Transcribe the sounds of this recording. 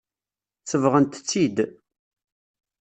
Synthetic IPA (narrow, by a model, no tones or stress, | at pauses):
t͡sːəvʁənt̪t͡sːid̪